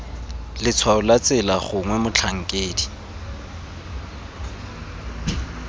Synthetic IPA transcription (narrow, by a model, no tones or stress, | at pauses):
lɪt͡sʰwaʊlat͡sʼɛlaχʊŋwɛmʊt͡ɬʰaŋ̩kʼeːdi